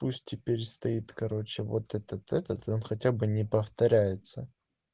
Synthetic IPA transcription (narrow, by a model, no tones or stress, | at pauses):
pusʲt̚ʲtʲɪpʲɪɾʲɪst̪ɐit̪kɐɾo̞t͡ɕɪvot̪ɛt̪ət̪ɛt̪ət̪ɨo̞nxɐtʲabɨnʲɪpəft̪ɐɾʲʔæjɪt̪sə